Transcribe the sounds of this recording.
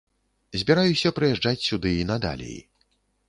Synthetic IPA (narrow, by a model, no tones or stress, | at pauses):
zʲbʲɛɾajusʲɐpɾɨjɛʐd͡ʐat͡sʲsʲud̪ɨinɐd̪a̰lʲɛ̰